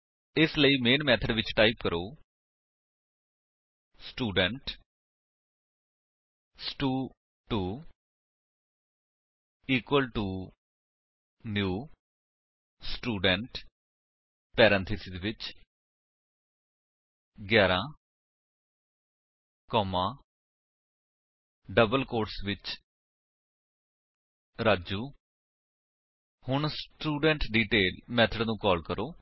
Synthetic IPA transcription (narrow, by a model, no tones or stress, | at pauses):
ɪsləiːmeːnmɛːt̪ʰəɖʋɪt͡ʃʈaːipkəɾoː | sʈuːɖəɳʈ | sʈuː | ʈuː | iːkwəlʈuː | njuː | sʈuːɖəɳʈ | pɛːɾɛ̃ːnt̪ʰɪsɪd̪ʋɪt͡ʃ | ɡjɛːɾãː | kɔːmãː | ɖəbəlkoːɾʈsʋɪt͡ʃ | ɾaːd͡ʒuː | hʊɳsʈuːɖɛ̃ɳʈɖiːʈeːlmɛːt̪ʰəɖnũːkɔːlkəɾʔoː